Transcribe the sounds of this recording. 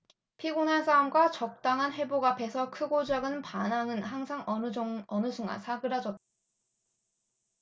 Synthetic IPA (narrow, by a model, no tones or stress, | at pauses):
pʰiɡunɦansʰaomɡwat͡ɕʌk̚t͈aŋɦanɸe̞boɡape̞sʰʌkʰɯɡod͡ʑaɡɯnpanaŋɯnhaŋsʰaŋʌʌnɯsʰuŋa̰nsʰaɡɯɾad͡ʑʌt͈̚ḁ